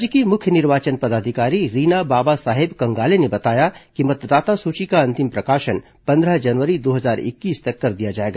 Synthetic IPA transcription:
d͡ʒkimʊkʰjənɪɾʋaːt͡ʃənpɐd̪aːd̪ʱɪkaːɾiɾiːnabaːbasaːɦɪbkɐ̃ŋɡaːlenebɐt̪aːjakimɐt̪d̪aːt̪asuːt͡ʃikaɐ̃nt̪ɪmpɾɐkaːʃən | pɐ̃nd̪ɾəɦd͡ʒɐnʋəɾid̪oːɦəzaːɾɪ̰kːiːst̪ɐkːɐɾd̪ijad͡ʒaːeːɡaː

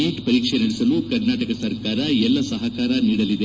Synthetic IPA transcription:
iːʈpɐɾiːkʂenɐɽisɐlukɐɾnaːʈɐkɐsɐɾkaːɾɐɛlːɐsɐɦɐkaːɾɐniːɽɐlid̪e

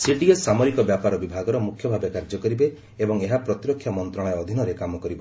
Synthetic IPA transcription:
siʈiesːamɔɾikɔbjapaɾɔbibʱaɡɔɾɔmukʰjɔbʱabekaɾd͡ʒɔkɔɾibe | ebɔŋeɦapɾɔt̪iɾɔkʰːjɔmɔnt̪ɾɔɽ̃eɔd̪ʱinɔɾekamɔkɔɾibɔ

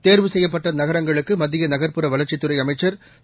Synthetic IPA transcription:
t̪eːɾʋɯsɛjːɐpːɐʈrɐnɐɣɐɾɐŋɡɐɭɯkːɯmɐðɪjɐnɐɣɐɾpɯɾɐʋɐlɐɾt͡ʃɪt̪ːɯɾɐɪɐmɐɪt͡ʃːɐɾ

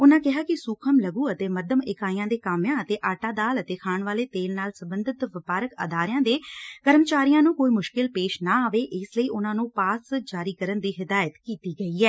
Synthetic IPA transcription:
ʊnãːkɪɦaːkɪsuːkʰəmləɡuːət̪eːməd̪əmɪkaːijãːd̪eːkaːmjãːət̪eːʔaːʈaːd̪aːlət̪eːkʰaːɳʋaːleːt̪eːlnaːlsəbənd̪ɪt̪ʋɪpaːɾəkə̰d̪aːɾɪjãːd̪eːkəɾəmt͡ʃaːɾijãːnũːkoːiːmʊʃkɪlpeːʃnãːaːʋeːʔɪsləiːʔʊnãːnũːpaːsd͡ʒaːɾiːkəɾənd̪iːɦɪd̪aːjət̪kiːt̪iːɡəiːɛː

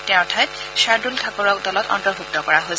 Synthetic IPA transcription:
tɛ̃tʰaɛt | saɹdultʰakɔɹɔk̚dɔlɔtɔ̰ntɔɹbʱuk̚tɔkɔɹaɦojs

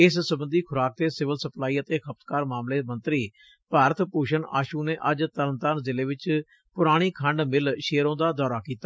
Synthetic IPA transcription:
ɪssəbənd̪iːkʰʊɾaːk̚t̪eːsɪʋəlsəplaːiːət̪eːkʰəp̚t̪kaːɾmaːmleːmənt̪ɾiː | paːɾət̪puːʃəɳa̰ːʃuːneːʔəd͡ʒt̪ələnt̪aːnzɪleːʋɪt͡ʃ | pʊɾaːɽ̃iːkʰəɳɖmɪlʃeːɾõːd̪aːd̪ɔːɾaːkiːt̪a

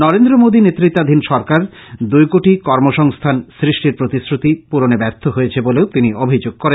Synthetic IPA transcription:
nɔɾend̪ɾomod̪inet̪ːɾit̪ːad̪ʱinʃɔɾkaɾd̪ujkoʈikɔɾmoʃɔŋst̪ʰansɾiʃʈiɾpɾot̪isɾut̪ipuɾonebɛɾt̪ʰoɦoet͡ɕʰeboleot̪iniobʱid͡ʑoɡ̚koɾen

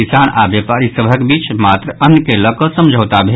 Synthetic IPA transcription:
isanabjəpaɾisəbʱəkbiːt͡ʃmat̪ɾəʔənːkeləkəsəmd͡ʒʱət̪abʱe

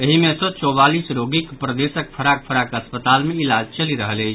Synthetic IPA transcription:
eɦimesə̃t͡ʃɔβalisɾoɡikpɾəd̪esək̚pʰəɾak̚pʰəɾakəspət̪almeilad͡ʒt͡ʃəliɾəɦələɪt͡ʃʰ

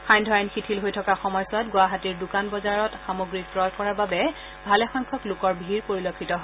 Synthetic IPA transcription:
xajndʱɔanxitʰilɦojtʰɔkaxɔmɔjsɔtɡwaɦatiɹdukanbɔzaɹɔtxamoɡɹipɹɔdkɔɹaɹbabɛ | bʱalɛxɔŋkʰɔklʊkɔɹbʱiɹpoɹilokʰːitɔɦ

